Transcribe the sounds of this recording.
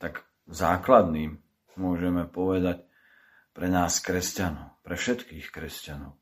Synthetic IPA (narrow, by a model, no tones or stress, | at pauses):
t̪aɡ | zaːklad̪niːm | mʊɔʒɛmɛpɔʋɛd̪ac | pɾɛnaːskɾɛscanɔʊpɾɛfʃɛt̪kiːxkɾɛscanɔʊ